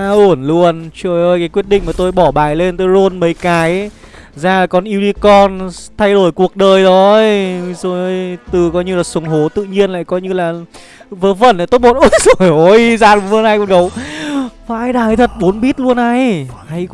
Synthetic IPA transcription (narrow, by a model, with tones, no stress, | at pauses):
a˧ʔu˧˩ənlu˧ənt͡ɕəː˧˩jʔəː˧˩jkaː˨˦jkwi˦˥ət̚ɗḭ̈˧˨ŋ̟maː˨˩t̪o˧jɓɔ˧˩ɓaː˨˩jle˧nt̪ə˨˦jzo˧ənmə˨˦jkaː˨˦j | zaː˧˩laː˨˩kɔ˨˩nʔi˧wɗi˧kɔ˧nt̪ʰa˧jɗo˧˩jku˨˩ək̚ɗəː˨˩jɗɔ˨˦˧jzo˧˩jːjt̪ɨ˨˩kɔ˨˦ɲɨ˧laː˨˩sə˨˦wŋ͡mɦo˨˦t̪ɨ̰˧˨ɲi˧ənla̰ː˧˨jkɔ˨˦ɲɨ˧laː˨˩ | vəː˨˦və̰˧˩nʔaː˨˧˩t̪o˦˥t̚mo˧˩n̚ʔo˨˩˦jzo˨˧˨jo˨˧jzaː˧˩nlu˨˦ɨ˧nhaː˧jko˨˩nkə˨˦w | vaː˧˨aː˧jɗaː˨˩hjt̪ʰə˨˩t̚ɓo˨˦nɓi˦˥ət̚lu˧ənʔa˧jha˧j